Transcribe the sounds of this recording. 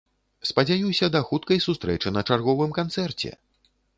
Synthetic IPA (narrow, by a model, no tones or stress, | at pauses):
spɐd͡zʲajuwsʲɐd̪ɐxut̪̚kɐjsust̪ɾɛt͡ʂɨnɐt͡ʂarɣɔvɨmkant̪sɛrt͡sʲɛ̰